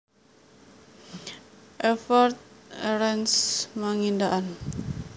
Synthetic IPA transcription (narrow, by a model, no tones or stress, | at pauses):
ʔɛfɔrt̪̚ɛɾɛnsmaŋindaʔan